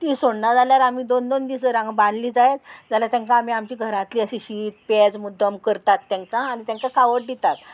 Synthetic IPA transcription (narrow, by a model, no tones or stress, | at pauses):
t̪isoɽnad͡zʱaljaɾam̤iːd̪ond̪ond̪isəɾãŋɡbãɽliːd͡zajet̪̚d͡zaljat̪jãŋkãːm̤iːamt͡ɕiːɡʱəɾat̪liːəɕiɕit̪̚ped͡zmud̪ʱːəmkəɾt̪at̪ːãŋkaːñit̪jãŋkakʰaʋəʈ̚ɖit̪at̪